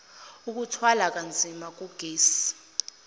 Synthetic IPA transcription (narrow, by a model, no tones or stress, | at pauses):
uk̬utʰwalak̬ʼand͡zʱimak̬ʼuɡ̥ʱeːsi̥